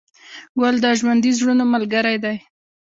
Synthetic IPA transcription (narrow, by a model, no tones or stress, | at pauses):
wald̪əʒwand̪izɽunomalɡaɾajd̪aj